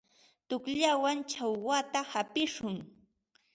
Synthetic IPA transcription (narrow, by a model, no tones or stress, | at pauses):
t̪ʊkʎawant͡ʃawwat̪ahapɪʃʊŋ